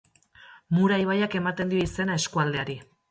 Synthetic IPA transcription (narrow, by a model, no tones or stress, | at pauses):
muɾajβajake̞mat̪e̞nd̪io̞ise̞nae̞skuald̪e̞aɾi